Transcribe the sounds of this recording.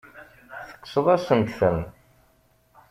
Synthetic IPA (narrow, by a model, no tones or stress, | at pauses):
θə̥qːsəðˤæsənt̪θən